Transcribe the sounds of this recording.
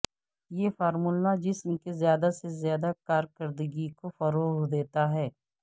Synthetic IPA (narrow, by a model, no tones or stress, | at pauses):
jefaːɾmulnad͡ʒɪsmkezjaːd̪asezjaːd̪akaːɾkəɾd̪əɡikofɐɾoːɣd̪eːt̪aɦɛː